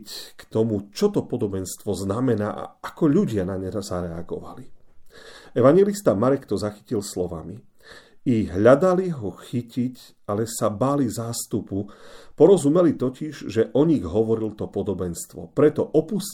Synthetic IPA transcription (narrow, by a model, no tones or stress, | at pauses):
ckt̪ɔmut͡ʃɔt̪ɔpɔd̪ɔbɛnst̪ʋɔznamɛnaːʔa̰akɔʎuɟɪanaɲɛɾazaɾɛa̰ɡɔ̰ʋa̰li | ɛʋaɲjɛlist̪amaɾɛkt̪ɔzaxi̥cilslɔʋa̰mi | iɣɦʎad̪aliɦɔxicic | alɛsabaːlizaːst̪upupɔɾɔzumɛlit̪ɔciʒʒɛʔɔɲiɣɦɔʋɔɾilt̪ɔpɔd̪ɔbɛnst̪ʋɔ̰pɾɛt̪ɔʔɔpus